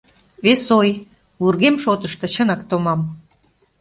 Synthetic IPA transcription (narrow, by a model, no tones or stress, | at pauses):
βesoj | βurɣemʃot̪əʃt̪ɤ̆ɕənɑkt̪omɑm